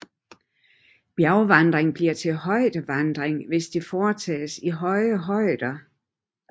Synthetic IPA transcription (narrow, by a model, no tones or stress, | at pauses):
b̥jæʊʋɑnd̥ʁeŋb̥liɐ̰t͡sʰe̝lɦɒ̽ɪ̰d̥əʋɑnd̥ʁeŋʋe̝sd̥e̝fɒːt͡sʰɛ̰ːsiɦɒ̽ɪəɦɒ̽ɪ̰d̥ɐ